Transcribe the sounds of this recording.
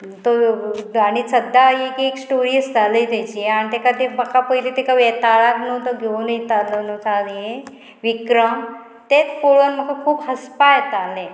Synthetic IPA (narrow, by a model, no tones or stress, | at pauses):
t̪oaɽ̃isəd̪ːaekeksʈoɾiəsd͡zʱaləjt̪et͡ɕieaɽ̃it̪ekat̪ebəkʰapəjlet̪ekaʋet̪aɭat̪not̪əɡʱeunəjt̪alənot͡sanije | ʋikɾəm | t̪et͡sfoɭənm̤əkakʰuːbɦəspajet̪alẽ